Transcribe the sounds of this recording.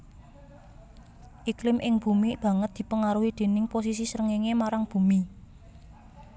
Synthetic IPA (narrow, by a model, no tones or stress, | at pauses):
ʔiklɪmʔɪŋb̥ṳmib̥ä̤ŋət̪̚d̪̥i̤pəŋaɾuɦid̪̥e̤nɪŋpos̬isisəɾəŋeŋemaɾaŋb̥ṳmi